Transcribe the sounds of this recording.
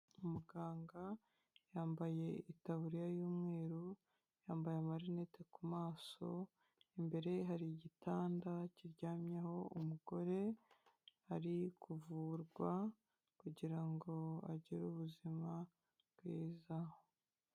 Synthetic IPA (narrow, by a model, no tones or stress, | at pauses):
umuɡaːŋɡa | jaːmbaje̞itaβuɾijajuːmŋe̞ːɾu | jaːmbajamaɾinetekumaːso̞ | imbe̞ɾe̞ɦaɾiɟitaːndaciɾɟaːmɲaho̞umuɡo̞ɾe̞ | haɾikuvuːɾɡwa | kuɟiɾaŋɡo̞a̰ɟiɾuβuzima | bɡwiːza